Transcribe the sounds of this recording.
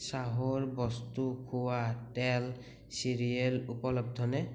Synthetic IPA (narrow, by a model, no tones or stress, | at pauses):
saɦɔɹbɔstukʰuwatɛl | siɹiɛlupɔlɔb̚dʱɔnɛ